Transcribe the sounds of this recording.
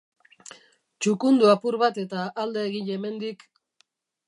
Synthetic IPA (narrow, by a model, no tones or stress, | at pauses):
t͡ʃukund̪uapuɾβat̪e̞t̪aʔːld̪e̞ːɣiɲe̞me̞nd̪ik